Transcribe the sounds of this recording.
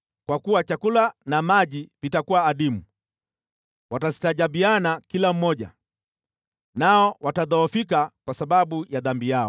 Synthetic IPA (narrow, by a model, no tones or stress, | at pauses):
kwakuwat͡ʃakulanamaʄipitakuwaːɗimu | watazi̥taʄabianakilam̩mɔʄa̰ | naɔwataðɔɔfikakwasaɓaɓujaðambijaɔ